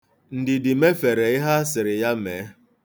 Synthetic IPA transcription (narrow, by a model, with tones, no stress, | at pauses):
n̩˨dɪ˨dɪ˨me˦fe˨ɾe˨ɪ˦ɦa˦sɪ˨ɾɪ˨ja˦meː˨˦